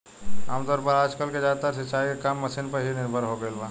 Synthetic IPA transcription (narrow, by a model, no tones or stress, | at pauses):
aːmt̪ɔːɾpəɾaːd͡ʒkəlked͡ʒaːt̪aɾsɪt͡ʃaːikekaːmːəsinpəɾɦinɪɾbʱəɾɦoɡəelbʱãː